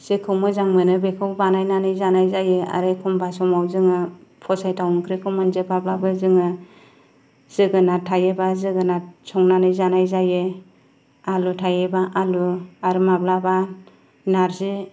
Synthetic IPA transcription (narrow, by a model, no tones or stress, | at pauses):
z̥ekʰɯwmɯzaŋmɯnɯbekʰɯwbanajnanɯjzanajzajɯa̰ɾɯjkʰumbasɔmawzɯŋɯpʰɔsajtʰawŋkʰɾekʰɯmɯnzepablabɯzɯŋɯ | zɯɡɯnatʰajebazɯɡɯnasʰɔŋnanɯjzanajzaje | alutʰajebaʔaluaɾɯmablaba | naɾzi